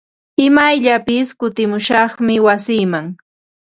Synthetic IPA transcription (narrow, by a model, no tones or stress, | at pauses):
ɪmajʎapɪskʊt̪ɪmʊʃɑχmɪwasiːmaŋ